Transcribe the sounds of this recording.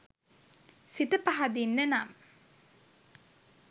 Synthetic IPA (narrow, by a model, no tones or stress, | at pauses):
sit̪əpaɦad̪inːənam